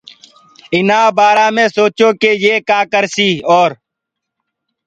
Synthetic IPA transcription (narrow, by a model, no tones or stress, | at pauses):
ɪnãːbaːɾaːmẽːsoːt͡ʃoːkeːjeːkaːkəɾsiːoːɾ